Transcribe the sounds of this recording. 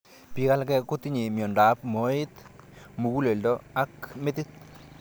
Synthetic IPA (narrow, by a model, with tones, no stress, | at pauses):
pi˨ka˦lkɛ˦ku˦t̪i˦ɲi˨mjɔ˨nda˨˦pmo˨˦i˦t̪mu˨ku˦le˨ldɔ˦a˦k̚me˦t̪i˦t̪̚